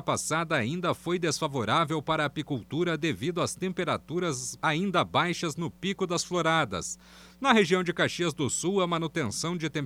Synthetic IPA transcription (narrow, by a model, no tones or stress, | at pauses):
pasad̪ɐːĩnd̪ɐfojd̪esfavoɾavewpaɾɐaːpikuwt̪uɾɐd̪evid̪ʊɐst̪ẽmpeɾat̪uɾɐzaĩnd̪ɐbajʃɐznʊpikʊd̪ɐsfloɾad̪ɐ̰s | nɐɦeʒiɐ̃w̃d͡ʒɪkaʃiɐzd̪ʊsuwɐmãnut̪ẽsɐ̃w̃d͡ʒɪt̪ẽ